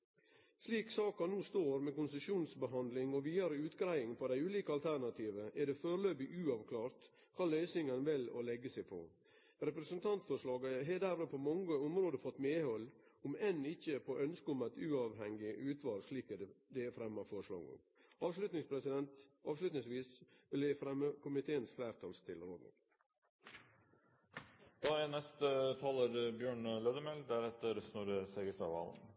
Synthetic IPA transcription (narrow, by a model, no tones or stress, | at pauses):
sliːksɑːkɑnuːst̪oːɾmɛkʊnsəʃuːnsbəɦɑnd̪lɪŋɔʋiːɑɾəʉːt̪ɡɾæɪɪŋpʰɔd̪æɪʉːliːkəɑlt̪ʰæɾɳɑt̪ʰiːʋəʔɛɖɛføːɾløːbɪʔʉːɑʋkʰlɑːɾt̪ | kʰɑːlœʏsɪŋənʋɪlɔ̰lɛɡːəsæɪpʰɔ̰ | ɾɛpɾɛsənt̪ʰɑnt̪fɔʂɭɑːɡəɦɛd̪æɾɾəpʰɔmɑŋːəʊmɾoːd̪əfɔt̪ːmeːhɔlː | ʊmɛnɪçːəpʰoʔœnskəʊmæɪt̪ʉːɑːʋɦɛŋɪʔʉːt̪ʰʋɑːlʂɭiːkəd̪ɛd̪ɛːfɾɛmːɑfɔʂɭɑ̰ːɡʊ̰ | ɑːʋslʉt̪nɪŋspʰɾɛsɪd̪ɛnt̪ɑːʋslʉt̪nɪŋsʋiːsʋɪlɛfɾɛməkʊmɪt̪ʰeːənsflæːɾt̪ʰɑlst̪ʰɪlɾoːd̪nɪ̰ŋ | d̪̥ɑːænɛst̪ət̪ʰɑːləɾbjøːɳløːd̪əmɛld̪æɾɛt̪əɾsnɔɾəsɛɡəst̪ɑ̰ʋɑ̰ːlə̰n